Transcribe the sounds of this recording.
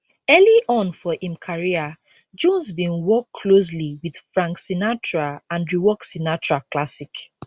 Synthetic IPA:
ɛliʔɔ̃nfɔʔĩmkʰaɹia | d͡ʒɔ̃nsbĩnwɔkʰːlos̬liwið̥fɹãŋksinat͡ʃɹaãndɹiwɔksinat͡ʃɹaklasik

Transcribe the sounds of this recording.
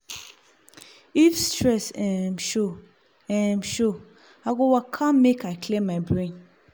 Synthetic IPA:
ifstʰɹɛsɛ̃mʃo | ɛ̃mʃo | aɡɔwakʰãnmekaɪkʰlẽmːaɪbɹẽn

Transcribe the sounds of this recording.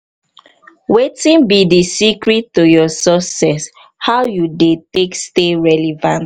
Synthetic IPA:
wetĩnbidisikɹitːojɔsɔsɛs | haʊjudeteksteɹɛlivãnt

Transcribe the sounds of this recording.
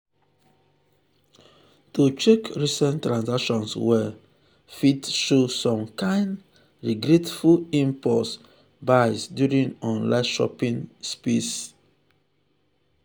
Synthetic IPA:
tut͡ʃekɹisɛ̃ntɹãnsakʃɔ̃nswɛ | fitʃosɔ̃mkãɪ̃nd | ɹiɡɾetfulĩmpɔs | baɪsdjuɹĩŋɔ̃nlanʃɔ̰pĩnspes

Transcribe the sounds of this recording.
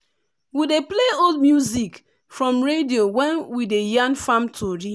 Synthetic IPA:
widepleodmjuzik | fɹɔ̃mɹediowɛ̃nwidejãnfãmtʰoɾi

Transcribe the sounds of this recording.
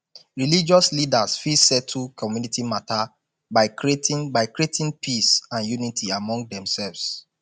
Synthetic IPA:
ɹilid͡ʒɔslidasfisɛtʰːukʰɔmjunitʰimatʰa | baɪkɹietĩbaɪkɹietʰĩnpʰisãnjunitʰiamɔ̃ŋɡ̚dɛ̃msɛlvs

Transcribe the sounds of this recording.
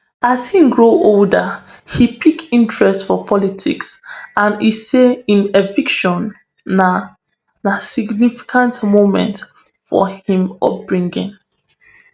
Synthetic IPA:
azhĩmɡɹoʔoldə | hipʰikĩntʰɹɛstfɔpʰɔlitʰḭksãniseĩnevikʃɔ̃n | a | nasiɡnifi̥kʰãntmomɛ̰̃nt | fɔ̰hĩmɔ̰p̚b̥ɹĩŋɡḭ̃ŋ

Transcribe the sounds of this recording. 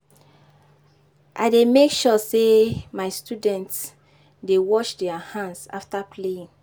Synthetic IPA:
ʔa̰demekʃɔsemaɪstudɛ̃nts | dewɔʃdɛahãnsa̰ftapʰleĩn

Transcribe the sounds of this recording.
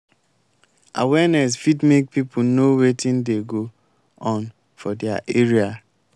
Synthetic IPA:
a̰wɛnɛs̬fidmek̚pipʰunowetʰĩndeɡo | ɔ̃n | fɔdɛaʔeɹia

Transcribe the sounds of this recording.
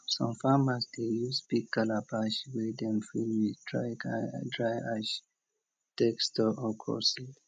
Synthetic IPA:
sɔ̰̃mfamasdejusbik̚ːalapaʃwɛdɛ̃mfilwidɹadɹajaʃ | tɛkstɔʔɔkʰɔ̰sil

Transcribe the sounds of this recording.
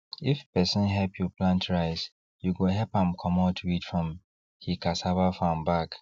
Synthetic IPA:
ifpɛsĩnɦɛpʰjɔplãntʰɹaɪs | juɡoɦɛpãmkʰɔ̃mɔtʰuitfɹɔ̃m | hikasabafãmbak

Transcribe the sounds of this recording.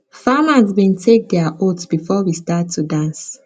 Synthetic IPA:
famazbĩntʰek̚dɛaʔotb̥ifɔwistatʰːudãns

